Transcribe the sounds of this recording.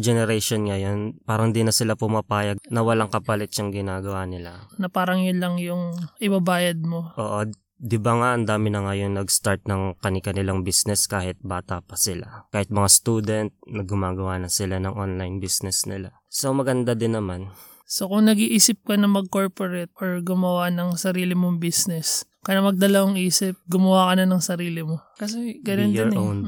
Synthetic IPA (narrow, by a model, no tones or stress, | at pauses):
d͡ʒɛnɛɾɛʃonŋɐjo̞npaːɾɐŋnd̪inɐsɪlapʊmɐpaːjɐɡ̚nɐwɐlaŋkɐpɐlɪt̪t͡ʃʊŋɡɪnaːɡɐwanɪlanɐpaːɾɐŋjʊnlɐŋjʊŋʔɪbɐbaːjɐd̪̚mo̞ʔoːʔo | d̪ɪbaŋaʔɐnd̪aːmɪnɐŋajʊŋnɐɡst̪aɹt̪̚nɐŋkɐnɪkɐnɪlaŋbisnɛskaːhɪt̪̚baːt̪ɐpɐsɪlakaːhɪt̪̚mɐŋast̪uːd̪ɛnt̪̚nɐɡʊmaːɡɐwaːnɐsɪlanɐŋʔonlajnbisnɛsnɪ̰la | so̞mɐɡɐnd̪ad̪ɪnːɐman | sokʊŋnɐɡiʔiːsɪp̚kɐnɐmɐɡ̚ko̞ɹpoɾɛt̪̚oɹɡʊmɐwanɐŋsɐɾiːlɪmoŋbisnɛs | kɐnɐmɐɡ̚d̪ɐlɐwɐŋʔiːsɪp̚ɡʊmɐwaːkɐnɐnɐŋsɐɾiːlɪmo̞kɐs̬ɛɡɐnonɪɹon